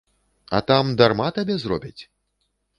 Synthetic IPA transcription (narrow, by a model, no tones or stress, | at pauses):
ɐ̰t̪amd̪armat̪abʲɛzɾɔ̰bʲit͡sʲ